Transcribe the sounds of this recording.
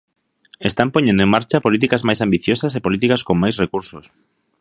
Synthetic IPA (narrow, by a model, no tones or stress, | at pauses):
est̪ampoɲẽnd̪oeŋmaɾt͡ʃapolit̪̬ikazmajsambiθjosasepolit̪̬ikaskommːajsrekuɾsos